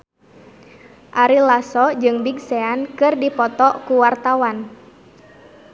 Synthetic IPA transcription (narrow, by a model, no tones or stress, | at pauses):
ʔaɾilasɔd͡ʒɨŋbiɡ̚sɛankɨrdipɔt̪ɔkuwart̪awan